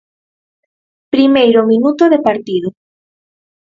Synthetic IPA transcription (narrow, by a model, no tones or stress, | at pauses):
pɾimejɾʊmĩnut̪oðepaɾt̪iðʊ